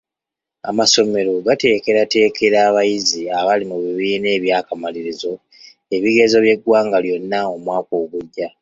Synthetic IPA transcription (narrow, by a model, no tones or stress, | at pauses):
a̰maso̞me̞ɾo̞ɡate̞ːke̞ɾate̞ːke̞ɾaːβajiziaβalimuβiβiːne̞ːβjaːkamaliɾizo̞ | e̞βiɡe̞zo̞βje̞ɡwaːŋɡaljo̞nːao̞mwaːko̞ːβuɟːa